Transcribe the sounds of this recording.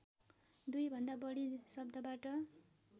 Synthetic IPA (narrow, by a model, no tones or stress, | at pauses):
d̪ujbʱʌnd̪abʌɽisʌb̚d̪ʱʌbaʈʌ